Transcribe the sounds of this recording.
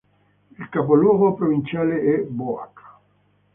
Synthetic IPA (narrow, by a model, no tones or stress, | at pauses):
ilkapolwɔːɡopɾovint͡ʃaːleʔɛboa̰kʰːḁ